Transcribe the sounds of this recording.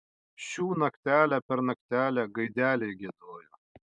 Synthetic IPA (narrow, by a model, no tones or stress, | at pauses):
ʃʲuːnɐkt̪ʲæːlʲæpʲɛɾnɐkt̪ʲæːlʲæɡɐɪd̪ʲæːlʲɛɪɡʲid̪oːjoː